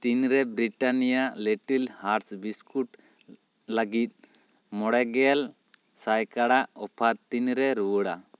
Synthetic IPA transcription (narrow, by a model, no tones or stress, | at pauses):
t̪inɾɛbɾiʈanijalɛʈilhaɾsbiskuʈ | laɡit̪̚ | mɔɽɛɡɛal | sajkaɽaʔɔpʰaɾt̪inɾɛɾuəɽa̰